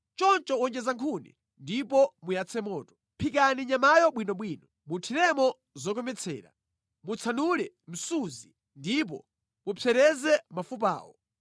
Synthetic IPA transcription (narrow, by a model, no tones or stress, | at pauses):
t͡ʃɔnt͡ʃɔɔnd͡ʒɛzaŋkʰunɛ̰ | ndipɔmujat͡sʰɛmɔːtɔ̥ | pʰik̬aniɲamajɔɓwinɔɓwiːnɔ | mutʰiɾɛmɔ | zɔk̬ɔmɛt͡sʰɛ̰ːɾa̰ | mut͡sʰanuɾɛ | m̩suzi | ndip̬ɔ̰ | mupʰɛɾɛzɛmafup̬a̰ːwɔ